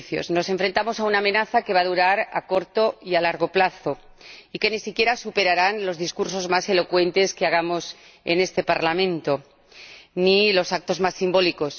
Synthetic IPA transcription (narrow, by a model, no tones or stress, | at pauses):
θjo̞̰zno̞se̞ɱfɾe̞nt̪amo̞saunamẽ̞naθake̞βaðuɾaɾa̰ko̞ɾt̪o̞ialaɾɣ̞o̞plaθo̞ike̞nisikje̞ɾasupe̞ɾaɾanlo̞zðiskuɾso̞zmase̞lo̞kwe̞nt̪e̞skeaɣ̞amo̞s | e̞̰ne̞st̪e̞paɾlamẽ̞nt̪o̞ | nilo̞sak̚t̪o̞zmasːimbo̞liko̞s